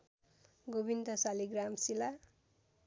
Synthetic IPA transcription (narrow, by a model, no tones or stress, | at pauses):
ɡobind̪ʱʌsaliɡramsila